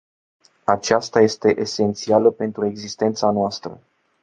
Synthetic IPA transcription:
at͡ʃast̪aje̞st̪e̞ʔese̞nt̪sialəpe̞nt̪ɾue̞ɡzist̪e̞nt̪sanoast̪ɾə̰

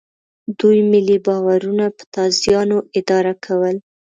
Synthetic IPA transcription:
d̪ujmɪlibɑwaɾunapə̥t̪ɑzjɑnoʔɪd̪ɑɾakʰawəl

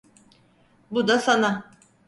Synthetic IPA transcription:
bud̪asana

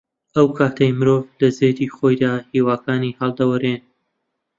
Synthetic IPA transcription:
ɐwkʰaːt̪ʰɐjmɨɾoːvlɐzeːd̪iːχojd̪aːhiːwaːkaːniːhɐlˠd̪ɐwɐɾen

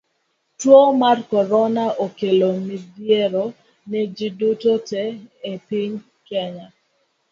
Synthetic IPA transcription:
twomarkɔɾɔnaʔokelomidjeɾo | nɛd͡ʒidutotɛːpiɲ | kɛɲa

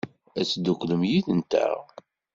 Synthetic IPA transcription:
æt͡sːd̪ukləmjiðənt̪æ̰ʁ

